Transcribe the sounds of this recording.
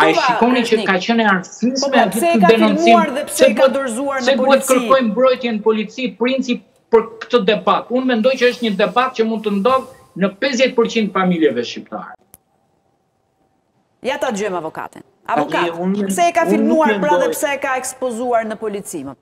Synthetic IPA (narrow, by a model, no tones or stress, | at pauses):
aiʃikɔnit͡ʃəkat͡ɕənɛaɾsismɛd̪itd̪ɛnɔnmt͡siaɾðɛsɛb̪ɛtd̪ɔɾzuaɾnɛduɛt̪ːkəɾɔjmbɾɔjt̪jɛnəpɔlit͡sipɾint͡sip | pəɾkə̥t̪əd̪ɛbat̪unmɛnd̪ɔjt͡ɕəəʃt̪ɲəd̪ɛbat̪̚cəmund̪̚t̪ənd̪ɔð | nəpɛzjɛt̪̚pəɾt͡ɕind̪familjɛvɛʃcip̚t̪a̰ɾɛ | jat̪ad̪əd͡ʒɔjmavɔka̰t̪ḭn | a̰ɔkunsɛkafimuɛnɾdðɛjpsɛkaɛkspɔzuaɾnəpɔlit͡si